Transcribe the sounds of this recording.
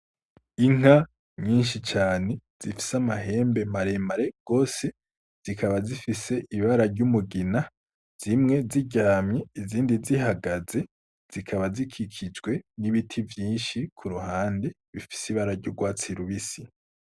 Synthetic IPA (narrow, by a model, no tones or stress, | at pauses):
iŋ̥a | ɲiːnʃit͡ʃaːne̞z̥ifi̥samaɦe̞ːmbe̞maɾe̞maɾe̞ɡ̥o̞ːse̞ | z̥ikʰaβazifise̞ʔiβaɾaɾɟumuɡina | z̥imŋe̞ziɟaːmɲeiziːndiziɦaɡaze̞ | z̥ikʰaβazikʰikʰid͡ʒɡwe̞niβitʰivjiːnʃikʰuɾuhaːnde | βifi̥siβaɾaɾɟuɡwaːt͡siɾuβisi